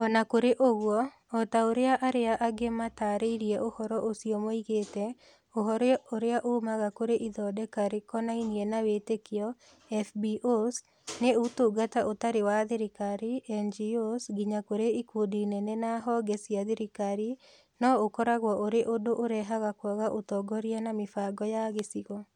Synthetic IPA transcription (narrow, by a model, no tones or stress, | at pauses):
ɔnakoɾeʔoɣwɔ | ɔtaoɾeaʔaɾeaʔaɡemataɾeiɾiɛʔohɔɾɔʔosjɔmɔiɣeːtɛ | oɦɔɾɔoɾeaʔomaɣakoɾeʔiðɔdɛkaɾekɔnainiɛnaweːtekiɔ | ɛfbiʔos | neutoɡataʔotaɾewaðiɾikaɾiɛnd͡ʒiosɡiɲakoɾeikodinɛnɛnaɦɔɡɛsiaðiɾikaɾi | nɔokɔɾaɣwɔʔoɾeʔodoʔoɾɛɦaɣakwaɣaʔotɔɡɔɾianamefaɡɔjaɣesiɣɔ